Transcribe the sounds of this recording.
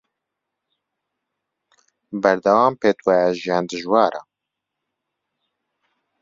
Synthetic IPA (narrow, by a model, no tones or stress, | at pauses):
bɛɾd̪ɐwaːmpeːt̪wɛjɛʒijɑːnd̪ɨʒwɑːɾa̰